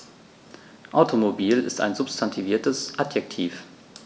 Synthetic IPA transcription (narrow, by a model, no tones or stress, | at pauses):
ʔaʊtʰomobiːlɪ̰sta̰ɪnzʊpstʰantʰiviːɐtəsʔatjɛk̚tʰiːf